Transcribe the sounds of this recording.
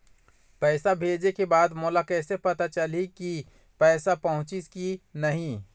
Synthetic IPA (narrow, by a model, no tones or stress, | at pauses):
pɛːsabʱeːd͡ʒekebaːd̪moːlakɛːsepɐt̪at͡ʃɐliki | pɛːsapɐɦʊ̃t͡ʃiskinɐɦĩ